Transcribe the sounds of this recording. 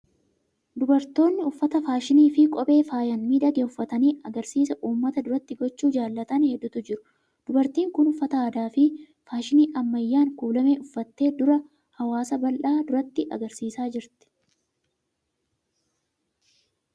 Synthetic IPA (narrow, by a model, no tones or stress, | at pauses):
d̪ʊbɐɾt̪o̞ːnːɪʊfːɐt̪ɐfaːʃɪniːfɪkʼɔɓʼe̞ːfaːjɐnmiːd̪ɐɡeːʊfːɐt̪ɐniːɐɡɐɾsiːsɐʔuːmːɐt̪ɐd̪ʊɾɐt̪ːɪɡɔt͡ʃːuːd͡ʒaːlːɐt̪ɐnhɛd̪ːʊt̪ʊd͡ʒɪɾʊ̥ | d̪̥ʊbɐɾt̪iːŋkʊnʊfːɐt̪ɐaːd̪aːfɪ | faːʃɪniːʔɐmːɐjːaːŋkuːlɐme̞ːʊfːɐt̪ːe̞ːd̪ʊɾɐ | hɐwaːsɐbɐlʔaːd̪ʊɾɐt̪ːɪʔɐ̰ɡɐɾsiːsaːd͡ʒɪɾt̪ɪ̥